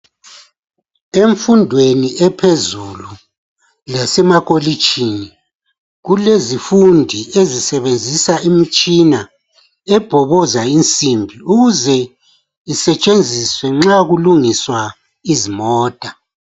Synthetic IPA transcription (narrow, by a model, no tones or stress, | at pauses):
eɱfundʱweniʔɛpʰezulu | lasɛmakʼoli̥t͡ʃʰʼini | ɣulezifundʱiezisɛβend͡zʱisaʔimit͡ʃʼina | ɛb̥ʱɔβɔzaint͡sʼimbʱiuɣuzɛ | isɛt͡ʃʼend͡zʱiswɛŋ͡ǁaɣuluŋiswa | izimɔːtʼa